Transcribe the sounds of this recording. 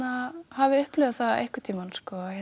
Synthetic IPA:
nahavɪʏhplʏːvðθaðḛhkʏt̪ʰiːmanskɔɛ

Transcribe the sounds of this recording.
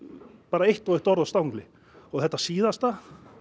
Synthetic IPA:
paːɾaejht̪ɔweht̪ɔɾðɔst̪awŋklɪ | ɔɣθɛht̪ːasiːðast̪a

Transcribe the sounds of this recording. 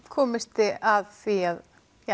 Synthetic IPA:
kʰɔːmɪst̪ɪaðθviað | ja

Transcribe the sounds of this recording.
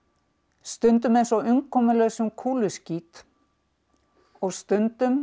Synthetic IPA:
st̪ʏnt̪̬ʏmejnsɔʏmkʰɔːmʏlœɣsʏmkʰuːlʏsciːt̪ | ɔɣst̪ʏnt̪ʏm

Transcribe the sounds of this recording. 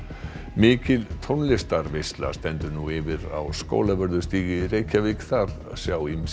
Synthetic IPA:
mɪːcɪlt̪ʰonlɪst̪aɾvɪst̪la̰st̪ɛnt̪ʏɾnuɪvɪɾa̰wsko̰ːwlavœɾðʏst̪iːɣɪreːjcavɪkθaɾ̥ | sjaːwim

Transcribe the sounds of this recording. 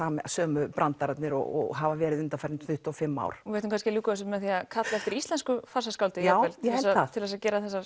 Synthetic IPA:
aːmsœːmʏpɾʔant̪aɾat̪nɪɾɔ̰ɔ̰ɣɦavavɛːɾɪðʏnt̪afaɾnθʏht̪ɔfɪmːa̰ːwɾ̥vejht̪ːmkʰanscɪluːks̬mɛðθiakʰat̪laɛft̪ɪɾist̪lɛnskʏfasaskawlt̪ɪawɛlθɛsaat̪ʰɪlvɛsacɛːɾaθɛsːa

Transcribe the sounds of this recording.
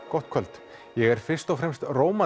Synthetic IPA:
kɔht̪̚kʰœlt̪ | jɛɣɛɾ̥fɪrst̪ɔwfɾɛmst̪roːwma

